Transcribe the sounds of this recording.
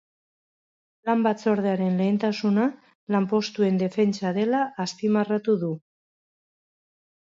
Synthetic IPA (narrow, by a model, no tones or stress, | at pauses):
lambat͡so̞ɾð̞eaɾe̞nle̞ːnt̪asuna | lampo̞st̪ue̞nd̪e̞fe̞nt͡saðe̞laʔːst̪imarat̪uðu